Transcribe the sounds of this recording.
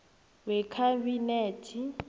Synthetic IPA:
wɛkʰabineːtʰi

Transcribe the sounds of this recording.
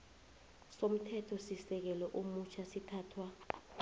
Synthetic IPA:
som̩tʰɛtʰɔsisɛk̬ɛlɔʔomut͡ʃʰasitʰaːtʰwa

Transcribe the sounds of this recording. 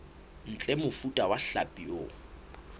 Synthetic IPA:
n̩t͡ɬʼɛmʊfutʼawaɬapʼioː

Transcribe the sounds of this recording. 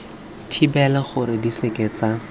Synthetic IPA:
tʰibɛlaχʊɾɪdisekʼeːt͡sa

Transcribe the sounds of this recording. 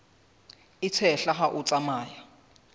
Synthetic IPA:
it͡sʰɛɬaχaʔut͡sʼamaːja

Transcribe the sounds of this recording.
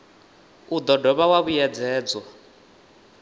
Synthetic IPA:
ud̪ɔdɔβawaβujɛd͡zɛːd͡zɔ

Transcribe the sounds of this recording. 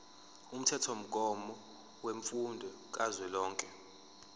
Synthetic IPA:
um̩tʰɛtʰom̩k̬ʼɔmɔ | weɱfundʱɔ | k̬ʼazwɛlɔːŋkʼɛ

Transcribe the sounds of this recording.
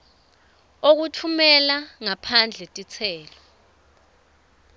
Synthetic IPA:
ok̬utʰumɛlaŋapʰand͡ɮʱɛtʼit͡sʰɛːlɔ

